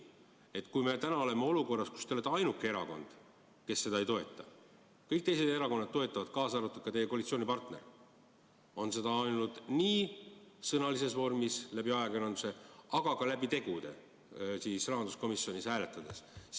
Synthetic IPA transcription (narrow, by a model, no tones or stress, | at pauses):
e̞t̪ːˑkujmet̪ænɑo̞le̞meo̞luko̞rːɑsku̥st̪eolet̪ːɑjnukːˑee̞ɾɑ̰ko̞̰nd̪̥ | ke̞sːe̞d̪ɑejt̪o̞e̞t̪ːˑɑ | kɤjk̚t̪e̞jse̞d̪e̞ɾɑko̞nːɑd̪̥̚t̪ːo̞e̞t̪ˑːɑvɑd̪̥̚kɑːsɑɾut̪ːud̪̥̚kɑt̪e̞je̞kolit̪sio̞ːnʲipɑrt̪ne̞̰r | o̞nse̞d̪ɑɑjnut̪niːsɤnɑlise̞svo̞rmislæbiɑeɡɑenɑnd̪use̞ɑɡ̥ɑkɑlæbit̪e̞ɡud̪e̞̰ | siːsrɑɦɑnd̪usko̞misio̞nishæːle̞t̪ːˑɑd̪̥e̞s